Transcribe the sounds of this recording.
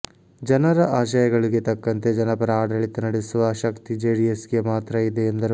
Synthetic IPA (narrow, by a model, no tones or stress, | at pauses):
d͡ʒɐnɐɾɐʔaːʃɐjɐɡɐɭiɡe̞t̪ɐkːɐnt̪e̞d͡ʒɐnɐpɐɾɐaːɖɐɭit̪ːɐnɐɽesuʋɐʃɐkt̪id͡ʒeːɽiesɡemaːt̪ɾɐid̪eːnd̪ɐɾu